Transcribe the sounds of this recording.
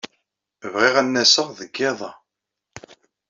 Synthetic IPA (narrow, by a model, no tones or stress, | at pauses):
vʁiʁænːæsəʁðəɡːeðˤɑ